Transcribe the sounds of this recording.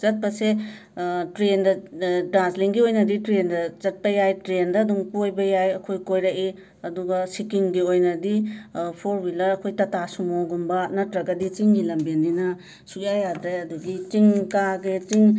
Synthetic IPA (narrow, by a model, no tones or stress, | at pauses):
t͡ʃɐt̚pɐse | tɾendɐdɾansliŋɡiojnɐditɾendɐzɐt̚pɐjajtɾendɐːduŋpojbɐjajɐkʰojkojɾɐki | ɐduɡɐsikiŋɡiojnɐdipʰoɾwilɐɾɐkʰojtɐtasumoɡunbɐnɐtɾɐɡɐdit͡ʃiŋɡilɐmbenːinɐ | sukjajadɾeɐduɡit͡ʃiŋkaɡet͡ʃiŋ